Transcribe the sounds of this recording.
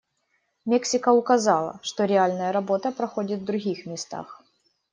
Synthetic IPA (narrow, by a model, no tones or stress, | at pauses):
mʲeksʲɪkəʊkɐzɑlˠə̰ʂt̪oɾʲɪalʲnəjəɾɐbo̞t̪əpɾɐxo̞dʲɪt̪vd̪ɾʊɣʲixmʲɪst̪a̰x